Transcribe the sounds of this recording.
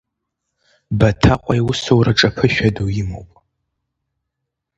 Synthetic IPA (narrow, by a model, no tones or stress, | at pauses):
bɐtʰaqʷʼajwʊsowrʔɐʈ͡ʂʼɐpʰɨʃᶣadowjɪmo̰wpʼ